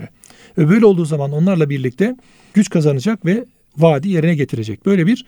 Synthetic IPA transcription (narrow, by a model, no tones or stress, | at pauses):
ɾɛ | vɛbø̞jlʲɛlˠd̪uːzamano̞nlˠaɾlˠabiɾlʲict̪ʰɛ | ɟ̥yt͡ʃkʰazanɯd͡ʒakvɛ | vaːd̪ije̞ɾinɛɟe̞t̪ʰiɾe̞d͡ʒɛc̚b̥ø̞jlʲebiɾ̥